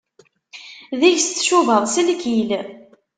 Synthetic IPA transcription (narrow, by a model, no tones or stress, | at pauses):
ðiʝst̪ːʃuvəðˤsəlkil